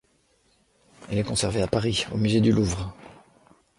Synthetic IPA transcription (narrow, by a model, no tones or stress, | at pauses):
ḭlɛkɔ̃sɛʁveapaʁio̰myzed̪yluvʁ